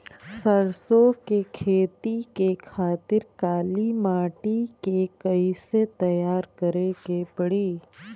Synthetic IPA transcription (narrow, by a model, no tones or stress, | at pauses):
səɾsokekʰeːt̪ikekʰaːt̪ɪɾkaːlimaːʈikekəiset̪ɐjaːɾkəɾekepɐɽiː